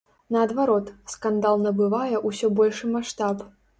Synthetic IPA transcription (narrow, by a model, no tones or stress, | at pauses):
nɐːd̪vaɾɔt̪skand̪alˠnɐbɨvajɛʔusʲɔbɔlʲʂɨmaʂt̪ap